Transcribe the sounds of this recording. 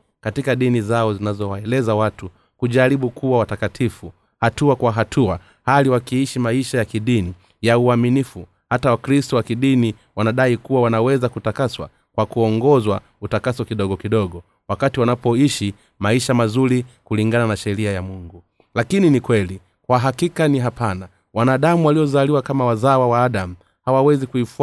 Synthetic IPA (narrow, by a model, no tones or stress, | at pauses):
katikaɗinizaɔzinazɔwaɛlɛzawatu | kuʄaɾiɓukʰuwawatakatʰifu | hatuakwaɦatʰua | haliwakiiʃimaiʃajakiɗini | jauaminifu | hatawakɾistɔwakiɗini | wanaɗaikuwawanawɛzakutakaswa̰ | kwakuɔŋɡɔzwa | utakasɔkiɗɔɡɔkiɗɔɠɔ | wakatiwanapɔiʃi | maiʃamazuɾikuliŋɡananaʃɛɾiajamuŋɡu | lakininikwɛli | kwaɦakikaniɦapana | wanaɗamuwaliɔzaliwakamawazawawaːɗamu | hawawɛzikuif